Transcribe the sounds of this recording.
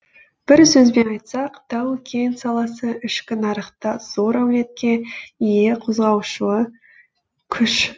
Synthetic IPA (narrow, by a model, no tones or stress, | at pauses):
b̥ɪɾsɵzbe̞nɑjt̪sɑqt̪ʰɑwkʲʰensɑlˠɑsəʔɪʃkʲɪnɑɾəqt̪ɑz̥o̞ɾæwle̞t̪̚kʲe̞ije̞qʰozʁɑwʃuə | kʲʰʏʃ